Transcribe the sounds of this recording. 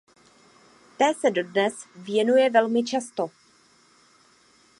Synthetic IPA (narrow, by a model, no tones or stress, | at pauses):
t̪ɛːsɛdo̞dnɛsvjɛnujɛvɛlmɪt͡ʃast̪o̞